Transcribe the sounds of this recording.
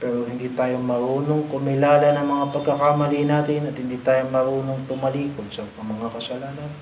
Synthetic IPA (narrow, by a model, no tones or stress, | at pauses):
pɛːɾohɪnd̪iːt̪aːjomɐɾuːnoŋkʊmɪlaːlɐnɐŋmɐŋapɐɡ̚kɐkamɐlinaːt̪ɪnɐt̪̚hɪnd̪iːt̪aːjomɐɾuːnoŋt̪ʊmɐliːkonsɐɐmɐŋakɐsɐlaːnɐn